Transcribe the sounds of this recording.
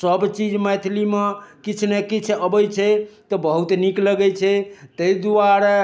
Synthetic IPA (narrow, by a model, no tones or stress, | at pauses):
səbt͡ʃid͡ʒmɛt̪ʰlimekit͡ʃʰnekit͡ʃʰəbəjt͡ʃʰɛt̪ɔbəɦut̪nikləɡɛjt͡ʃʰɛt̪əjd̪uaɾa